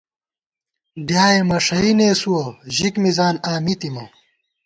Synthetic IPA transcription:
ɖjaːemɐʂɐineːsuwɐʑikmizaːnaːmit̪imɐ

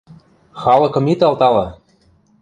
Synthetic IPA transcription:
xɑlɤ̆kɤ̆mit̪ɑlt̪ɑlɑ

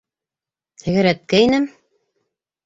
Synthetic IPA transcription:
t̪ʰɘ̆ɣɘ̆ɾæt̪̚kæinɘm

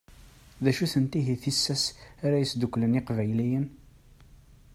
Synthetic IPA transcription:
ðæʃuθənt̪iɦiθisːæsaɾæjəsd̪ukːlənɪqvæjlijən

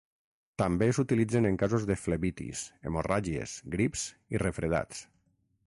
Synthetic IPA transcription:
t̪ambesut̪ilid͡zeneŋkazozðefleβit̪ḭsḛmoraʒiḛzɡɾipz | irefɾeð̞a̰t͡s

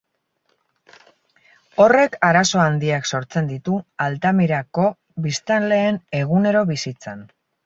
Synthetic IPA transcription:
o̞re̞kaɾaso̞and̪iakso̞ɾt͡se̞nd̪it̪ualt̪amiɾako̞ | βist̪anle̞ːne̞ɣ̞une̞ɾo̞βisit͡san

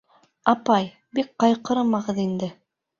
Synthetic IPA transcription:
ɑpɑj | bik̚qɑjqɤ̆ɾɤmɑʁɤðind̪ɘ

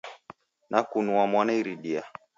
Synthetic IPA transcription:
nʔakunuamwanaiɾiɗia

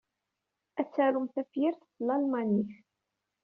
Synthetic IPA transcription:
æt͡sːæɾʊmθæfjiɾθθlɑlmɑniθ

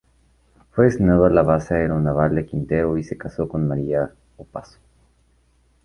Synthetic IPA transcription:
fweðesnoβalaβasaeɾaunaβald̪ekint̪e̞ɾoise̞kaso̞ko̞nmaɾia | opaso̥

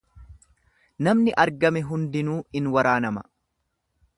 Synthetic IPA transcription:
nɐmnɪʔɐɾɡɐmɛɦʊnd̪ɪnuːɪnwɐɾaːnɐmɐ

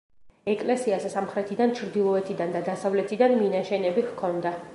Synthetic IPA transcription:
ɛkʼlɛsiasɛsamχɾɛt̪ʰid̪ant͡ʃʰɾd̪ilˠɔɛt̪ʰid̪and̪ad̪asavlɛt̪ʰid̪anminaʃɛnɛbihkʰɔnd̪a

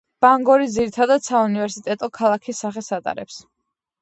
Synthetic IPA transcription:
b̥aŋɡɔɾid̪ziɾit̪ʰad̪ad̪saunivɛɾsit̪ʼɛt̪ʼɔkʰalˠakʰisːaχɛsat̪ʼa̰ɾɛ̰ps

